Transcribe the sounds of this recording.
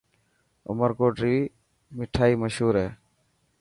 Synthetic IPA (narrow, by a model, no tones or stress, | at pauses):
ʊ̰məɾkoːɖɾiː | mɪʈʰaːiːməʃɦuːɾɛː